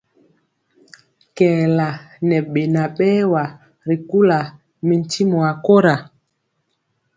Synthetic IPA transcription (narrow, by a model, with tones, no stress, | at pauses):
kɛː˨la˨nɛ˨ɓe˨na˨ɓɛː˦wa˨ | ɾi˨ku˦la˨ | mi˨n˨ti˦mɔ˨a˨ko˦ɾa˨